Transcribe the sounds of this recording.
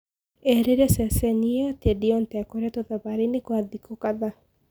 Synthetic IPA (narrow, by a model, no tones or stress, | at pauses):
ɛɾeɾɛsɛsɛniatɛdiɔntɛakoɾɛtoðaβaɾenekwaðikʰokaða